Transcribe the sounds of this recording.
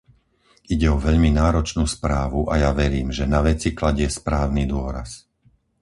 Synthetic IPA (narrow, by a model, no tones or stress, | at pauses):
iɟɛɔʋɛʎminaːɾɔt͡ʃnuːspɾaːʋuʔajaʋɛɾiːmʒɛnaʋɛt͡siklaɟɪɛspɾaːʊnid̪ʊɔɾa̰s